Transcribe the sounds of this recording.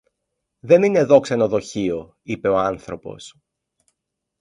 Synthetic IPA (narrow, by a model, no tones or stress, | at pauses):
ðe̞nine̞ðo̞kseno̞ðo̞çio̞ | ipe̞o̞ɐnθɾo̞po̞̰s